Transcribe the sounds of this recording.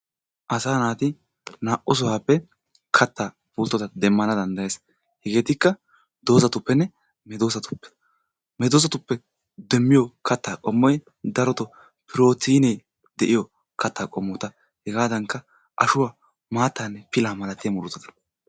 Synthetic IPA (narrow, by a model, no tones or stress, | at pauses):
ʔɐsaːnaːt̪ɪ | naːʔɔs̬ɔwaːpːɛ | kʰɐt̪ːaː | bʊːlt̪ːɔt̪ɐd̪ɛmːɐnɐd̪ɐnd̪ɐje̞ːs | hɛɡe̞ːt̪ɪkːɐ | d̪o̞ːsɐt̪ʊpːɛnːɛ | mɛd̪oːsɐt̪ʊ̥pːɛ̥ | mɛd̪oːs̬ɐt̪ʊpːɛ | d̪ɛmːɪjɔkɐt̪ːaːkʼɔmːɔj | d̪ɐɾɔt̪ɔ | pɪɾo̞ːt̪iːnɛ | d̪ɛʔɪjɔ | kʰɐt̪ːaːkʼɔmːɔt̪ɐ | hɛɡaːd̪ɐŋkːɐ | ʔɐʃʊwa | maːt̪ːaːnːɛpɪlaːmɐlɐt̪ɪjɐmʊɾʊt̪ːɔt̪ɐ